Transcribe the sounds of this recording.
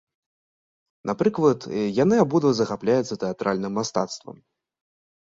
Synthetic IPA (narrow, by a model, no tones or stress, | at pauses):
napɾɨklˠɐt̪janɨabud̪vɐzɐxaplʲajɛt̪sɐt̪ɛat̪ɾʔalʲnɨmːast̪at̪st̪vɐ̰m